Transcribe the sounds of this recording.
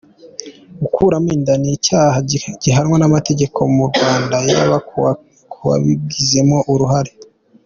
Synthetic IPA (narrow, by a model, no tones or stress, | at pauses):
ɡukʰuːɾamiːndanicaːhaɟ̥iɦaɾŋwanamate̞ɟe̞kʰo̞muɾɡwaːndajaβa | kuwa̰βib̚ɡize̞mo̞ʔuɾuɦaɾe